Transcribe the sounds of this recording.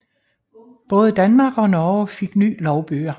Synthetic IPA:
b̥ɔ̽ːð̞ˠəd̥ænmɑ̈ɡ̥ɒ̽nɒːfe̝ɡ̥ny̰ːlɒʊb̥y̰ːɐ

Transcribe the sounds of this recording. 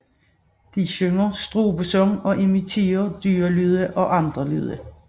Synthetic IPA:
d̥iɕøŋɐsd̥ʁo̝̰ːbsɔŋɒ̽ʔe̝mit͡sʰe̝̰ːɐd̥yːɐlyð̞ˠəʔɒ̽ʔɑ̈nd̥ʁɐly̰ð̞̰ˠə

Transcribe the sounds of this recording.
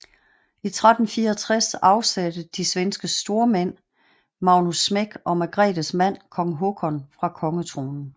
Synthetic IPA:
it͡sʰʁad̥n̩fiːɐt͡sʰʁasɑ̈ʊsæd̥əd̥isʋensɡ̥əsd̥o̝ːɐmen̰ | mɑ̈ʊnusːmeɡ̥ɒ̽mæɡ̥ʁɛ̰ːd̥əsmæn̰kʰɒ̽ŋəɦo̝ɡ̥ʰɒ̽nfʁɑ̈kʰɒ̽ŋət͡sʰʁo̝ːnn̩

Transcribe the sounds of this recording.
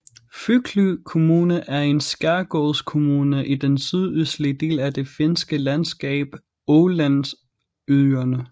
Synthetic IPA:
fyɡ̥ʰlykʰo̝muːnəʔæɐe̝nsɡ̥æɐɡ̥ɔːskʰo̝muːnəʔid̥ensyðˠyslid̥e̝̰ːlæd̥e̝fe̝nsɡ̥əlænsɡ̥ɛ̰ːb̥ | ɔːlæns | yɐnə

